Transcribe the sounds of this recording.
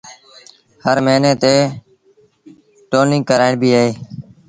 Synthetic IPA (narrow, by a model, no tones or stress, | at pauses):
həɾməːneːt̪eː | ʈoːnɪ̃ŋɡkəɾaːɪɳbʱiːəɦeː